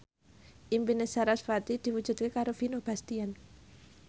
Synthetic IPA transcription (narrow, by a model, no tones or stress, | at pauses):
ʔimpinesaɾasfat̪id̪̥iwud̥ʒ̥ṳt̪̚kekaɾofinob̥a̤st̪ian